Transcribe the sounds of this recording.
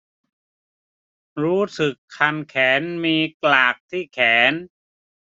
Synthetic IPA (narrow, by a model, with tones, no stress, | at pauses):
ɾuː˦˥sɯ˨˩kʰːa˧mkʰɛː˩˦nmiː˧klaː˨˩k̚t̪ʰiː˥˩kʰɛː˩˦n